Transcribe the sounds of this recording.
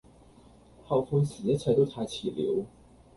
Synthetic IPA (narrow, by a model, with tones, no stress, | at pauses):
xɑ˥˨˩ʊfʊ˥nsɹ̩˨˩˥t͡sʰa˧˥t̪o˥t̪ʰa˧˥t͡ɕʰḭ˨˩ljo̰˧˥ʊ